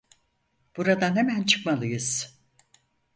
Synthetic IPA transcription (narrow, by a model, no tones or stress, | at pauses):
b̥uɾad̪anhemænt͡ʃʰɯ̥kmalˠɯjɯz̥